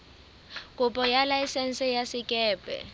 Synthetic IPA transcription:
kʼupʼɔjalajisɛnsʼɛjasikʼɛːbʱɛ̰

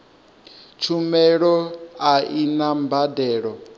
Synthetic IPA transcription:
t͡ʃʰumɛɺɔainambadɛːɺɔ

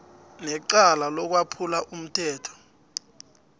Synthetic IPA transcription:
nɛǃalalɔk̬wapʰulaʔum̩tʰɛːtʰɔ̥

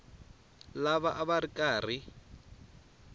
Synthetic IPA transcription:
laβaʔaβarikʼaːr̤i

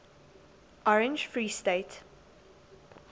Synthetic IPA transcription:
ʔɔɹɛ̃nd͡ʒfɹiːsteːt

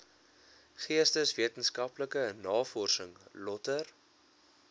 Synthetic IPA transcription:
χiəstəsviətənskɐpləkənɑːfɔrsəŋlɔtər

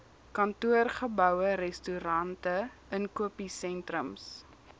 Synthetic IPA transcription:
kɐntuərχəbœwəɾɛstuɾɐntə | ənkuəpisɛntrəms

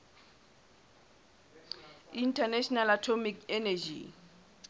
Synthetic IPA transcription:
intʰanɛʃɔnalatʰɔmikɛnɛd͡ʒḭ

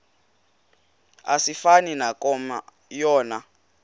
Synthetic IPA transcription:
asifaninakʼɔma | jɔːna

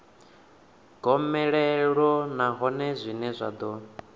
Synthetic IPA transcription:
ɡ̥ɔmɛɺɛɺɔnaɦɔnɛzʷinɛzʷa̰d̪ɔ

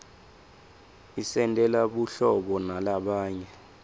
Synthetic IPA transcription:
isɛntʼɛlaɓuɬɔɓɔnalaɓaːɲɛ

